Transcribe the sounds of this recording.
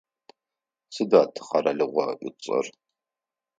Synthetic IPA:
sɨdaːtʰɨ̥χɐrɐɮɨʁʷɔʔʷʊt͡sʼɐ̰r

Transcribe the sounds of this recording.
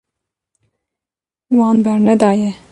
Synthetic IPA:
wɑːnbɛɾnɛd̪ɑːjɛ

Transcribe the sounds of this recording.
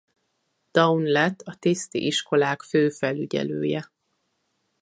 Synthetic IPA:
d̪̥ɒunlɛt̪ːɒt̪ist̪ḭʔiʃko̞laːkføːfɛlyɟɛ̰lø̰ːjɛ

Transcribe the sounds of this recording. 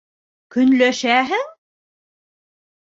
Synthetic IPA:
kɵ̆nlæʃæɦɘŋ

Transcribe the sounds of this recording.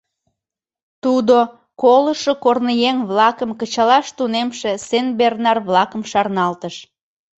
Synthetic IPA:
t̪ud̪o | koləʃokornəjeŋβlɑkəmkət͡ɕɑlɑʃt̪unemʃesenbernɑrβlɑkəmʃɑrnɑlt̪əʃ

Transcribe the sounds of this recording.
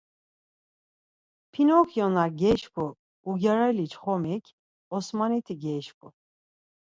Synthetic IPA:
pʰinɔkʰjɔnaɾɡɛʃkʰʼuː | ɡaɾalit͡ʃʰχɔmɛkʰʲ | ɔsmanit̪ʰiɡɛʃkʼu

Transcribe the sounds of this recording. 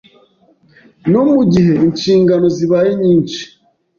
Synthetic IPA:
nomuɟiɦe̞int͡ʃiːŋɡano̞ziβaːjeɲiːnt͡ʃi̥

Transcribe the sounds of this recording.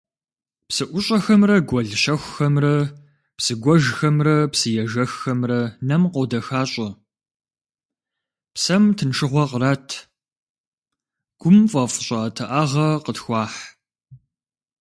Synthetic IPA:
psɨʔʷʊɕʼɐxɐmrɐɡʷɔɮʃɐxʷxɐmrɐ | psɨɡʷɔʒxɐmrɐpsɨjɛʒɐxxɐmrɐnɐmqodɐxaːɕʼɐ | psɐmtʰɨnʈ͡ʂʰɨʁʷɔqəɾatʰ | ɡ̥ʷʊmfʼɐfʊɕʼɐtʰɨʔaːʁɐqətxʷɑːħ

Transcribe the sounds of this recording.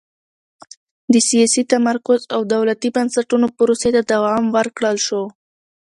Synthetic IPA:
d̪əsijɑsit̪amaɾkʊzawd̪awlat̪ibansaʈunopəɾoset̪ad̪awɑmwəɾkɽəlʃo

